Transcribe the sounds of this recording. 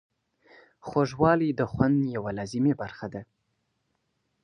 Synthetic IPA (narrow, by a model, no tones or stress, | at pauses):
xoʒwɑlid̪əxwand̪jawalɑzɪmebaɾxad̪a